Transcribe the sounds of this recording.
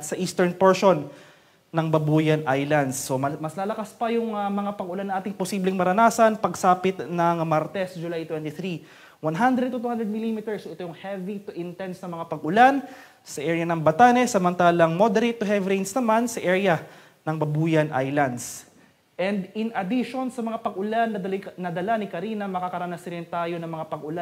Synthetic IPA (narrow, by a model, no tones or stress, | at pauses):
sɐʔiːst̪ɛɹnpɛɹʃo̞nː | ɐŋbɐbuːjɐnʔajlɐnd̪sːomɐslaːlɐkaspɐjʊŋɐmɐŋapɐɡʔʊlanːɐŋʔaːt̪ɪŋposiːblɪŋmɐɾɐnaːsɐnpɐɡsaːpɪt̪nɐŋmaɾt̪ɛsd͡ʒʊlajt̪wɛnt̪ɪθɾi | wɐnɦand̪ɾɛd̪̚t̪ʊt̪uhand̪ɾɛd̪mɪlimit̪ɛɹsoʔɛt̪ojʊŋhɛvit̪ʔɪnt̪ɛnt̪snɐmɐŋapɐɡʔʊlan | sɐʔɛːɹjɐnɐŋbɐt̪aːnɛsɐmɐnt̪aːlɐŋmo̞d̪ɛɾejt̪ːʊɦɛvɾejnsnɐmansɐʔɛɹjɐ | nɐŋmɐbuːjɐnʔa̰jlɐnd̪s | ʔɛnd̪ɪnɐd̪ɪʃo̞nsɐmɐŋapɐɡʔʊlanːɐɐlɪnɐd̪ɐlanɪkɐɾiːnɐmɐkakɐɾɐnɐsɾɪnt̪aːjo̞nɐŋmɐŋapɐɡʔʊlan